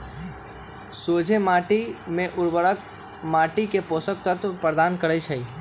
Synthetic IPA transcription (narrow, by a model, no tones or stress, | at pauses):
sod͡ʒʱemaʈimẽʔʊɾbəɽək | maʈikeposək̚t̪ət̪pɾəd̪ankəɾɛt͡ʃʰəi